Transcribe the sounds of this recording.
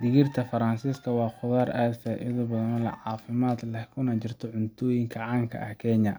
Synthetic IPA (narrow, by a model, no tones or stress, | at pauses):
d̪ɪɣɪrt̪ʰɐfɐɾɐnsiːskʰɐwɑːχʊðaːɾʔasɐʔɪðɔbɐðɐnɔlɐ̰ʕɑːfɪmaːd̪lɛhkʰʊnɐt͡ʃɪrt̪ʰɔʕʊntt̪ʰɔːjɪŋkʰɐʕɑːŋkʰɐ̰ʔɐhkʰɛɲɐ